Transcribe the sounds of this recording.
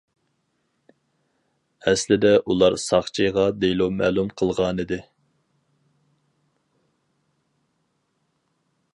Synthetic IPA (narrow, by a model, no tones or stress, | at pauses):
ɛslɪd̪ɛʔulˠɑɾsɑχt͡ʃʰijʁɑd̪ejlomæːlˠumqʰəlˠʁɑːnɨd̪ɨ